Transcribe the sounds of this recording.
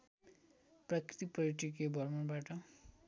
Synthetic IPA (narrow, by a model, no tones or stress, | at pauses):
pɾakɾit̪ipʌɾiʈikebʱʌɾmʌɾbaʈʌ